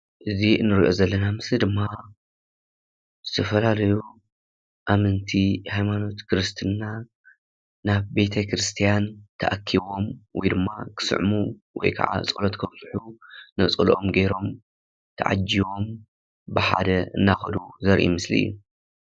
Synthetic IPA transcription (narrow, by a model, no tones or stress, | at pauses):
ʔɨziɨnːɨɾiʔo̞zɐlːɐnamɨslid̪ɨmːa | zɨt̪ʰɐfɐlalɐju | ʔamɨnt̪ʰihajmano̞t̪kʰɾɨst̪ʰɨna | naβbe̞t̪ʰɐkɾɨst̪ʰijant̪ʰɐʔakʰːiβo̞mwɔjd̪ɨmːakʰɨ̥sɨ̰ʕmuwɔ̰jkʰɐ̰ʕa̰ɨ̰t͡sʼɨlot̪kʰɐβsʼɨħunɐt͡sʼɨlʔomɡeɾo̞m | t̪ʰɐ̰ʕa̰d͡ʒːiwo̞m | bɨħa̰d̪ɐɨ̰nːaxɐd̪uzɐɾʔḭmɨslḭjːṵ